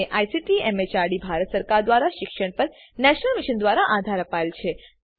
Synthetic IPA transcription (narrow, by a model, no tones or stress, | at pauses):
eʔajsiʈiɛmet͡ʃaɾɽibʱaɾət̪səɾkaɾd̪ʋaɾaʃɪkʃəɳ̃pəɾ | nɛʃnəlmiʃənd̪ʋaɾaʔad̪ʱaɾəpaelt͡ʃʰe